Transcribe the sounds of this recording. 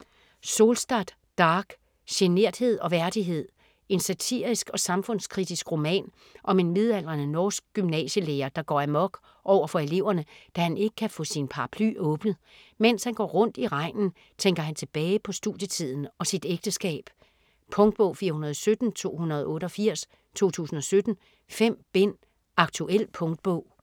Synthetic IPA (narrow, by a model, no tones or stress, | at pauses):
so̝ːlsd̥ɑd̥ | d̥ɑ̈ːɡ̥ | ɕene̝ɐ̰d̥he̝ð̞̰ˠɒ̽ʋæɐd̥iɦe̝ð̞̰ˠ | e̝nsæt͡sʰḭɐ̰ʁisɡ̥ɒ̽sɑ̈mfɔ̽n̰skʰʁid̥isɡ̥ʁo̝mɛ̰ːn | ʔɒ̽me̝nmeð̞ˠæl̰ʁɐnənɒːsɡ̥̚ɡ̥ymnɛ̰ːɕəleːɐd̥ɑ̈ɡ̥ɒ̰ːæmɒ̽ɡ̥ | ʔɒʊ̰ɐfɒ̽e̝le̝ʊ̰ɐnəd̥æhæne̝ɡ̥ə̥kʰæfɔ̰̽sinpʰɑ̈ʁɑ̈pʰly̰ʔɔ̽ːb̥nð̩ˠmen̰shænɡ̥ɒ̰ːʁɔ̽n̰d̥iʁɑ̈ɪ̰nn̩ | t͡sʰeŋɡ̥ɐɦænt͡sʰe̝b̥ɛːɪpʰɒ̽sd̥uðˠjət͡sʰið̰ˠn̩ɒ̽sid̥eɡ̥̚d̥əsɡ̥ɛ̰ːb̥ | pʰɔ̽ŋd̥̚b̥ɔ̽ʊfiːɐhunɐð̞ˠɒsød̥n̩t͡sʰo̝̰ːhunɐð̞̩ˠɔ̽ːɾəɒ̽fiɐ̰s | t͡sʰo̝̰ːt͡sʰṵːsn̩ɒ̽sød̥n̩ | fem̰b̥e̝n̰ | ɑ̈ɡ̥̚t͡sʰuʔel̰pʰɔ̽ŋd̥̚b̥ɔ̽ʊ̰